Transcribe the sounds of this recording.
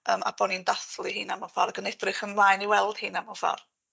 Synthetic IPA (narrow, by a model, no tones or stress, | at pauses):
əːma̰b̥ɔnindaθlˠɨɦiːnamɔfa̰ɾaɡənɛdrɨχənlˠaːjniwɛlˠd̥hɨːnamɔfa̰r